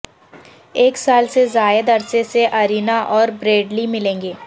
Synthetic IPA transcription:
eːksaːlsezaːjəd̪ɐɾseseʔɐɾiːnaʔɔːɾbɾeːɖlimɪlẽːŋɡeː

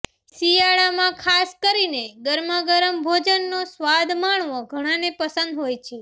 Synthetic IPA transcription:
sijaɭamãkʰaskəɾineɡəɾməɡəɾəmbʱod͡ʒənːosʋad̪maɳ̃ʋõɡʱəɽ̃ãnepəsə̃nd̪ɦojt͡ʃʰe

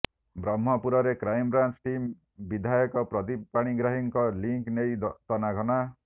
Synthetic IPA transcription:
bɾɔmːɔpuɾɔɾekɾajmbɾant͡ʃʈim | bid̪ʱajɔkɔpɾɔt̪ipaɽ̃iɡɾaɦiŋkɔliŋknej̪t̪ɔnaɡʱɔna

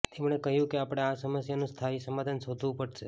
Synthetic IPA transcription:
t̪ʰemɳekəɦjũkeapɽ̃easəməsjanũst̪ʰaisəmad̪ʱansod̪ʱʋũpəɽʃe

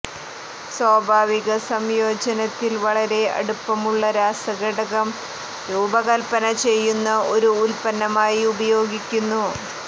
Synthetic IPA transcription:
swaːbʱaːʋiɣɐsɐmjo̞ːd͡ʑɐnɐt̪ːilʋɐɭɐɾe̞ɐ̰ɽupːɐmuɭːɐɾaːsɐɡɐɽɐɣɐm | ɾuːbɐɣɐlpɐnɐt͡ɕe̞jːunːɐo̞ɾuːlpɐnːɐmaːjiubɐjo̞ːɡikʲːunːu

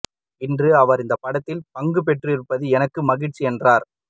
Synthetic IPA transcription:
ɪndrɯɐʋɐɾɪnd̪ɐpɐɽɐt̪ːɪlpɐŋɡɯp̬ɛʈrɯɪɾɯpːɐðɯɛnɐkːɯmɐɣɪʈt͡ʃːiɛndraːɾ

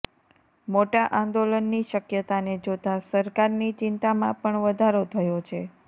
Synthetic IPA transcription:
moʈaʔãnd̪olənːiʃəkjət̪aned͡ʒot̪asəɾkaɾnit͡ʃɪnt̪amãpəɳʋəd̪ʱaɾot̪ʰəjot͡ʃʰe

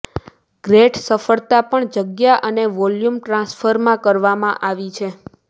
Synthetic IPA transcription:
ɡ̥ɾeʈsəfəɭt̪apəɳd͡ʒəɡjaʔəneʋɔljumʈɾãsfʰəɾmãkəɾʋamã̰ʔaʋit͡ʃʰe

